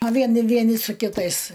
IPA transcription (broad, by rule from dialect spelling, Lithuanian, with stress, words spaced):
ɐ ˈʋʲiɛn ˈʋʲiɛnʲɪ sʊ kʲɪˈtɐɪs